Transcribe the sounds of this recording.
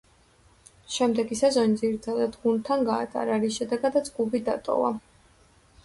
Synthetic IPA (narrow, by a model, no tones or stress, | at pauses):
ʃɛmd̪ɛɡisazɔnid̪ziɾt̪ʰad̪ad̪ɡunt̪ʰanɡaːt̪ʼa̰ɾaɾisʃɛd̪ɛɡad̪ad̪zɡubid̪at̪ʼɔ̰va̰